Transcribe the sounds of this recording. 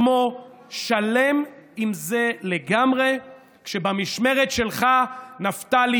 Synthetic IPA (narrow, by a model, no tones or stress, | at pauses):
mo | ʃale̞mimze̞le̞ɡamʁe̞ | kʃebamiʃme̞ʁetʃe̞lχanaftali